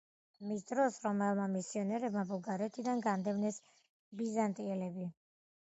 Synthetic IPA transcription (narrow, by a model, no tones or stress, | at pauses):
misd̪ɾɔsɾɔmɛlˠmamisiɔnɛɾɛbmabulɡaɾɛt̪ʰid̪anɡand̪ɛmnɛs | bizant̪ʼiɛlɛbi